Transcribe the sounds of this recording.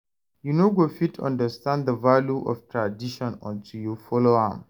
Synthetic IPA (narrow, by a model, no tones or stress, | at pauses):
junoɡofitʰɔ̰̃ndəstãnddəvaljuʔɔ̰ftʰɹadiʃɔ̃nɔ̰̃ntʰujufɔloã̰m